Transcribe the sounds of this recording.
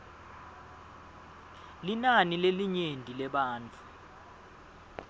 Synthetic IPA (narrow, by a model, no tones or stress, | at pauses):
linanileliɲendʱʼilɛɓaːnt͡fʰu